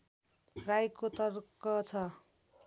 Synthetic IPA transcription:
rajkot̪ʌrkʌt͡sʰʌ

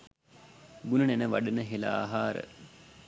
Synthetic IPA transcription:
ɡunənenəʋa̰ɖənəɦela̰ɦaːɾə̰

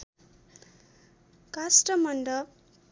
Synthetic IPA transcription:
kasʈʌmʌɳɖʌ

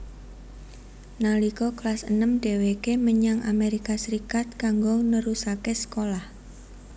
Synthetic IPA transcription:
nalikɔklasənəmɖ̥e̤wekeməɲaŋa̰meɾikasəɾikat̪̚kaŋɡonəɾusakesə̥kolah

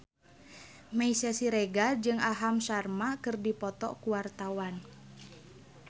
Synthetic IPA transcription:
maisasiɾɛɡad͡ʒɨŋaɦamsarmakɨrdipɔt̪ɔ̰kuwart̪awan

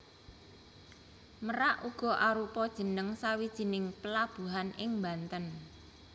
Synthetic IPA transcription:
məɾaʔuɡ̥ɔ̤ʔaɾupɔd̥ʒ̥ə̤nəŋsawid̥ʒ̥i̤nɪŋpəlab̥ṳɦanʔɪŋmbant̪ən

